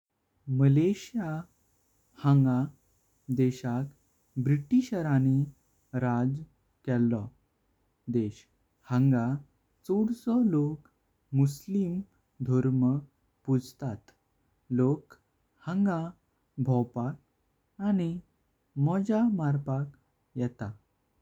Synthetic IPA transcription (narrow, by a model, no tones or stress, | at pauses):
məleɕija | hə̃ŋɡã | d̪ɛɕak | bɾiʈiɕəɾani | ɾad͡z | kɛlːɔ | d̪eɕ | hə̃ŋɡa | t͡soɽsɔlok | muslim | d̪ʱɔɾmə | pud͡zt̪at̪ | lok | hə̃ŋɡã | bʱɔwpak̚ | añi | mɔd͡ʑamaɾpak | jɛt̪a